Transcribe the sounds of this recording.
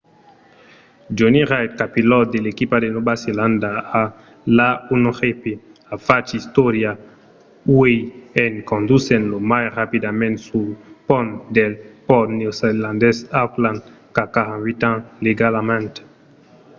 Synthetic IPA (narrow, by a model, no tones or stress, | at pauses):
d͡ʒoniʁajt̪̚kapilɔtd̪elekipad̪enobaselãnd̪aa | launoʁepeafat͡ʃist̪oɾja | uejenkõnd̪usẽnlomajrapid̪amɛ̃nt̪supɔnd̪elpɔt̪neoselãnd̪ɛsawklãnd̪ | kakahãnvit̪ãnleɡalamɛ̃nt̪